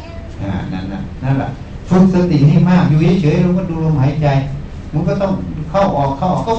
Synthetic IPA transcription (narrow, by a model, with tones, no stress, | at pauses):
na̰ː˧˩na̰˧˩nna̰˧˩na˧˥˨nla̰˧˨ʔ | fɯ˧k̚sɯ˧t̪i˨˦ŋha˧˥˩maː˧˥˩mjuː˧˩a˧˥˩t͡ɕʰɯ˨˦jɾo˧˦kɔː˧˥˩duː˧lo˧mhaː˨˦jt͡ɕa˧j | mɯ˧˥˦kɔː˧˥˩t̪ɔ˥˩ŋ˧kʰa˧˩wʔɔː˨˩kʰːa˧˩w